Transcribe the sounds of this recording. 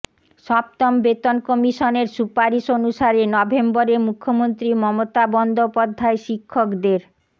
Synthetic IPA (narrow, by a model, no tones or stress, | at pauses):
ʃɔpt̪ɔmbet̪onkɔmiʃoneɾsupaɾiʃonuʃaɾenɔbʱemboɾemukʰːomont̪ɾimɔmot̪abɔnd̪ʱopɔd̪ʱːaeʃikʰːokd̪eɾ